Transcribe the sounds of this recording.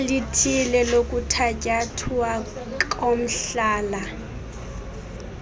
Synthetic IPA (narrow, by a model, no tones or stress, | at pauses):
litʰilɛlokʼutʰakʼatʰua | kʼom̩ɬaːla